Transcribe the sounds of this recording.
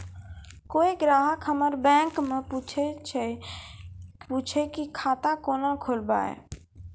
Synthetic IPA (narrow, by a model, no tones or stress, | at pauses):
koeɡɾaːɦəkɦəməɾbɛ̃ŋkmeput͡ʃ | put͡ʃʰekikʰaːt̪akonakʰolba̰ḛ